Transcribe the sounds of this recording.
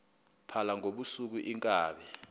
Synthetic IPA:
pʰalaŋoɓusuk̬uʔiŋkʼaːɓɛ

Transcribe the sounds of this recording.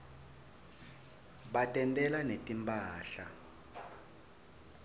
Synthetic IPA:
ɓatʼɛntʼɛlanetʼimpʰʼaːɬa

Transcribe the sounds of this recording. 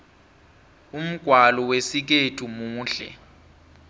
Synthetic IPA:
um̩ɡ̥ʱwalɔwesik̬etʰumuːɬɛ̰

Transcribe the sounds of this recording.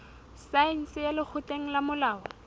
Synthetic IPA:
saɛn̩sɪjalɪk͡xʰʊtʼeŋ̩lamʊlaːɔ

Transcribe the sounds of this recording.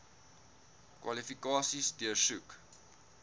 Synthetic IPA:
kwɐ̰lifikɑːsisdiəsuk

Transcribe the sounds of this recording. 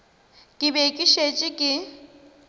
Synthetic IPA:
kʼɪbekʼɪʃet͡ʃʼɪkʼɪ

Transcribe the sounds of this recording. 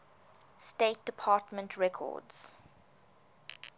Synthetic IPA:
steɪt̚d̥əpʰɑːˑtmə̃ntʰɹɛkʰɔ̰ːdz̥

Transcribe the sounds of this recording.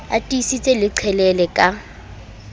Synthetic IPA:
atʼisit͡sʼɛlɪǀʰɛlɛlɛkʼa

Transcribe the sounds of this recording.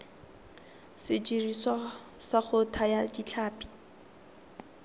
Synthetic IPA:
sɪd͡ʒiriswasaχʊtʰajad͡ʒit͡ɬʰaːpi̥

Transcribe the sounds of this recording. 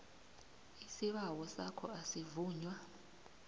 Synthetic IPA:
isiɓawɔsa̰kʰɔ̰asivuːɲwa

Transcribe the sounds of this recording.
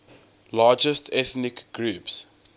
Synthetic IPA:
lɑːd͡ʒəstʰɛθnɪkɡ̥ɹuːps

